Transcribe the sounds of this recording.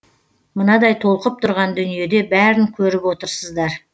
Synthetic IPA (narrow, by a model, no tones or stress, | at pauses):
mənɑd̪ɑjt̪ʰo̞lˠqəp̚t̪ʰʊɾʁɑnd̪ʏnije̞d̪e̞bæɾɪŋkʲʰɵɾɪpwo̞t̪əɾsəzd̪ɑɾ